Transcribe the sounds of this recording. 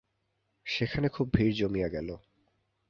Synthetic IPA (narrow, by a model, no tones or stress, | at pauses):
ʃekʰanekʰubʱiɾd͡ʑomijaɡɛlo